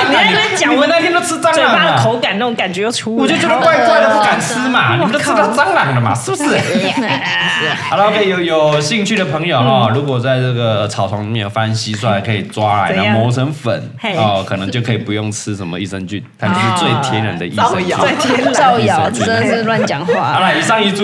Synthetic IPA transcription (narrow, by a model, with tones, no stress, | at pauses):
i˨e˧˥t͡ɕjɑ˨˩˨wə˧˥n˥˧t̪ʰɛ˥no˥ʊt͡sʰɹ̩˥t͡sɑ˥pa˥˩də˨˩kʰo˧˥ʊka˨˩n˥˩o˧˦ŋka˨˩nt͡ɕɥɛ˧˥jo˥˧˩ʈ͡ʂʰu˧˥wɔ˨t͡ɕjo˥˩t͡ɕɥɛ˧˥də˧kwa˥˧ɪkwa˥ɪdə˩pu˧˥ka˨˩nt͡sʰɹ̩˥ma˨ni˨˩ə˧˦t͡ɕ̪ʰːt̪ʰa˥t͡sɑ˥ŋlɑ˨˩ŋdə˩ma̰˨ʂ̩˥˩bu˩ʂɻ̩˥˩˨ | la˥wkʰə˧˥i˨jo˨˩ʊ˩jo˨˩ʊɕi˥˧ŋt͡ɕʰy˥˩d̪ə˩pʰɤ˧˥ŋjo˨˩ʊɔ˧˩ɻu˧˥kwɔ˨˩t͡sa˥˧ɪt͡sɤ˥˩ɡə˩t͡sʰɑ˨˩ʊt͡sʰwɑ˧˥ŋni˨mɛ˥˩njo˨˩fa˥˧nɕi˦˥swɔ˥˩a˧˥ɪkʰɤ˧˥i˨˩t͡swa˦la̰˧˦ɪ˧nə˧mo˧˥ʊsə˥ŋfə̰˨˩˦n˥ɔ˧˩kʰɤ˨˩nɤ˧˦ŋt͡ɕjo˥˩ʊkʰɤ˧˥i˨˩pu˧˦jo˥˩ŋt͡s̩ʰ˦˥ʂə˧˥nmə̰˧ḭ˥˩ʂə˧˥ŋt͡ɕy̰˥˨˩nt̪ʰa˥t͡ɕʂ̩˥˧t͡swe˥˧ɪt̪ʰjɛ˧˦nɻə̰˧˦nd̪ə˧ʔḭ˥˧˥ɑ˥˧ʊ˨˧˥s̩˥˧lwa˥˩nt͡ɕjɑ˨˩˦ŋxwa˥˧a˧˩la˧˩i˨˩ʂɑ˥˧ŋi˧˥˩t͡su˥